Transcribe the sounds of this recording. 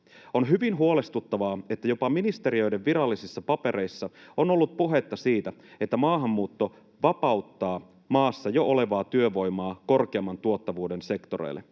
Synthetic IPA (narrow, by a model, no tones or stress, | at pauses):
o̞nɦyʋinɦuole̞st̪ut̪ːɑʋɑːe̞t̪ːæjo̞pɑminist̪e̞ɾiø̞jde̞ʋːiɾɑlːisisːɑpɑpe̞ɾʔe̞isːɑo̞no̞lːut̪̚puɦe̞t̪ːɑsiːt̪æet̪ːæmɑːɦɑmːuːt̪ːo̞ | ʋɑpɑwt̪ːɑː | mɑːsːɑjo̞ʔo̞le̞ʋɑːt̪yøʋo̞jmɑːko̞rk̟eɑmːɑnt̪uot̪ːɑʋuːdense̞kt̪oɾḛjlːe̞̰